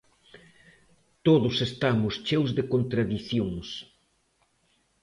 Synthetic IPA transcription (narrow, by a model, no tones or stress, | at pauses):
t̪oðʊsest̪amʊst͡ʃewzðekont̪ɾaðiθjoŋs